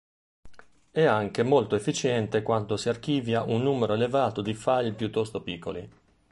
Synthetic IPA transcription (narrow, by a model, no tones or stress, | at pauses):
ɛaŋk̟emolt̪oefːit͡ʃɛnt̪ekwant̪osiark̟iːvjaʔunːuːmeɾoelevaːt̪od̪ifaʎpjut̪ːɔst̪opikʰːo̰li